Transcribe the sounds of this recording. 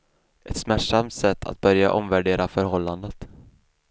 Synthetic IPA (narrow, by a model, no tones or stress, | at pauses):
ʔɛt̪smæʈʂamt̪sɛt̪ʰːa̰t̪̚bœɾja̰ʔɔmvæɖeːɾafœɾɦɔlːand̪ət̪